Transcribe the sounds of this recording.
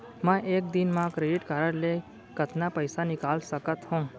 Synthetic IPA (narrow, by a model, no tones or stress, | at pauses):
mə̃ʔeːk̚d̪inmãkɾeɖɪʈkaɾəɽle | kət̪napəjsanɪkaːlsəkət̪ɦõː